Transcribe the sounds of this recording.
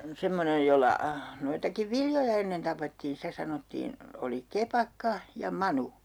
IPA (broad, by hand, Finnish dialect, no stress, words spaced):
semːonej jolːɑ noitɑkiʋ ʋiljojɑ enːen tɑpetːiːn̞ stæ sɑnotːiːn oli kepɑkːɑ jɑ mɑnu